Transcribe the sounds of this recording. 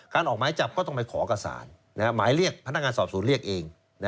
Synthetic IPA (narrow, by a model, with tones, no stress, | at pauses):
kaː˧nʔɔː˨˩k̚maː˨˦jt͡ɕa˨˩p̚kɔː˥˩t̪ɔ˥˩ŋpa˧jkʰɔː˩˦ʔka˧sa̰ː˩˦nːa˦˥kʰa˥maː˨˩˦jɾi˥˩ək̚pʰa˧na˦˥k̚ŋaː˧nsɔː˨˩p̚suː˩˦nɾək̚ʔeː˧ŋ | na˦˥